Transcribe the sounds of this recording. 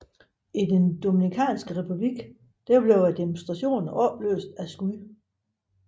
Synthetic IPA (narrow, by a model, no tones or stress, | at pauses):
idend̥o̝minikʰɛ̰ːnsɡ̥əʁɛpʰub̥liɡ̥ | d̥æɐb̥leʊæd̥emonsd̥ʁɑ̈ɕo̝̰ːn̩ɒb̥lø̰ːsd̥æsɡ̥u